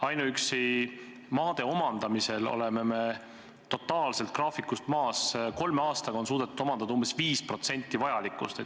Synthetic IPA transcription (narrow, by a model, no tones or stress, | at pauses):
ɑjnuyksi | mɑːd̪̥e̞o̞mɑnd̪ɑmise̞lo̰le̞meme̞ | t̪o̞t̪ːˑɑːlse̞lt̪̚krɑːfikːˑust̪mɑːsko̞lmeɑːst̪ɑɡɑo̞nsuːd̪e̞t̪ːud̪̥omɑnd̪ɑd̪ɑumbesviːspro̞t̪se̞nʲt̪ˑːivɑjɑlikːˑust̪e